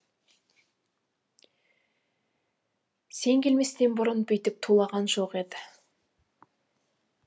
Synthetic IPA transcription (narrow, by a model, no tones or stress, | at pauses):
se̞ŋɡʲe̞lme̞st̪enbʊɾʊnbʏjt̪ɪp̚t̪ʰulˠɑʁɑnʒo̞qe̞d̪ɪ